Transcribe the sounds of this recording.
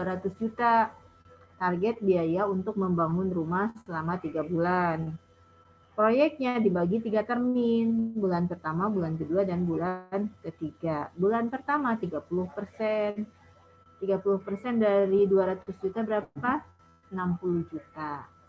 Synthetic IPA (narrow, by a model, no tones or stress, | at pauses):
uaɾat̪ʊsd͡ʒut̪a | t̪arɡɛt̪̚biajaunt̪ʊk̚məmbaŋʊnrumahsəlamat̪iɡabulan | pɾojɛk̚t̪̚ɲadibaɡit̪iɡat̪ərmɪnbulanpərt̪amabulankəduadanbulankət̪iɡabulanpərt̪amat̪iɡapulʊhpərsɛn | t̪iɡapulʊhpərsɛndaɾiduaɾat̪ʊsd͡ʒut̪abəɾapa | ənampuluhd͡ʒut̪a